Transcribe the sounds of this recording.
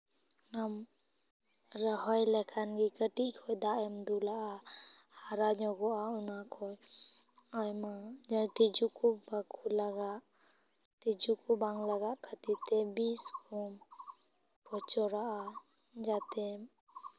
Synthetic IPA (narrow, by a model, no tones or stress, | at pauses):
nam | ɾaɦɔjlakʰanɡikətiʔkʰɔjdaʔɛmd̪ulaʔahaɾaɲɔɡɔʔaunakʰɔj | ajmaɲat̪id͡ʒukʰubakʰulaɡaʔ | tid͡ʒukʰubaŋlaɡaʔkʰat̪itebiskʰɔm | pʰɔt͡ʃɔɾaʔa | d͡ʒate